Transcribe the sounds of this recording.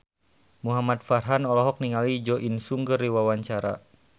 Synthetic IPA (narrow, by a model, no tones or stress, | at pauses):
muɦamat̪̚farɦanɔlɔɦɔk̚niŋalid͡ʒɔʔinsuŋɡəriwawaɲt͡ʃaɾa̰